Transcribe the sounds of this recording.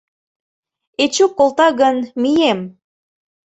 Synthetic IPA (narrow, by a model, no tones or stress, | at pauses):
et͡ɕokːolˠt̪ɑɣənmijem